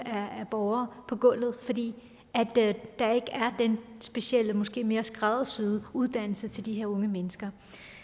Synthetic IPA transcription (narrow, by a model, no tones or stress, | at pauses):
æːb̥ɒʊɐːpʰɒ̽ɡ̥ɔ̽l̰ð̩ˠfɒ̽d̥ḭː | æd̥d̥ɑ̈e̝ɡ̥əæɐd̥ensb̥e̝ɕiel̰əmɒ̽sɡ̥e̝̰ːme̝ːɐsɡ̥ʁɑðˠsyðˠuð̞ˠd̥æn̰l̩sət͡sʰe̝ld̥iɦe̝ɐɔ̽ŋəmenəsɡ̥ɐ